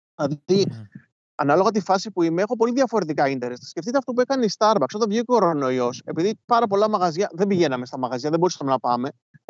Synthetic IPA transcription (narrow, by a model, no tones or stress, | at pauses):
ɐði | ɐ̰nɐlo̞ɣɐt̪̬ifɐsipuimeexo̞p̬o̞liðʝɐfo̞ɾe̞t̪ikɐint̪e̞ɾesɐ̥sce̞ft̪it̪ɐft̪op̬uekɐneist̪ɐɾbɐksoðɐvʝio̞ɾono̞io̞se̞piðipɐɾɐp̬o̞lɐmɐɣɐzʝɐðe̞mbiʝe̞nɐme̞st̪ɐmɐɣɐzʝɐðebo̞ɾisɐmenɐpɐme̞